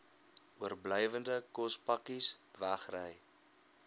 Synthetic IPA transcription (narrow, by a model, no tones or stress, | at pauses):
uərbləjvəndəkɔspɐkisvæχrəj